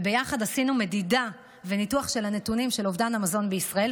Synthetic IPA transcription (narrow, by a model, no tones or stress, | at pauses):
bejaχadasinume̞dida | ve̞nituaχʃe̞lhane̞tunimʃe̞lovdanamazo̞nbeisʁae̞l